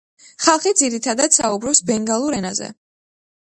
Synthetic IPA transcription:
χalˠχid̪ziɾit̪ʰad̪ad̪̥saubɾɔpsbɛŋɡalˠuɾɛnazɛ̰

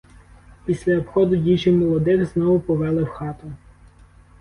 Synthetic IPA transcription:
pʲisʲlʲɐːpxɔd̪ʊdʲit͡ʃɪmɔlˠɔd̪ɪxznɔʋʊpɔʋɛlˠɪwxɑt̪ʊ

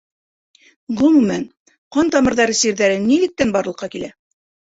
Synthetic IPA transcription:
ɡuŋmæn | qɑnt̪ɑmɤ̆ɾðɑɾɤsiɾðæɾɘnːilɘ̆k̚t̪ænbɑɾlɤ̆qːɑkilæ

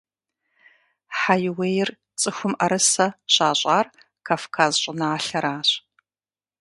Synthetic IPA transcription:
ħajwejɪr | t͡sʼɨxʷʊmʔɐɾɨsɐɕaːɕʷʼaːr | kʰaːfkʰaːzɕʼɪnaːɬɐɾaːɕ

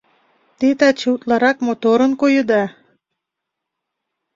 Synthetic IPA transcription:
t̪et̪ɑt͡ɕəut̪lɑɾɑkmot̪oɾənkojə̆d̪ɑ

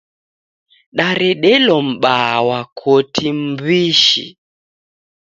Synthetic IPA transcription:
ɗaɾɛɗɛlɔm̩ɓawakʰotʰim̩biʃḭ

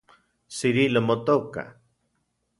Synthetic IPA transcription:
siɾilomot̪oka̰

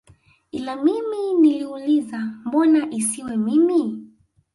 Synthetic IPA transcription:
ilamiminiliulizambɔnaʔisiwɛmimi

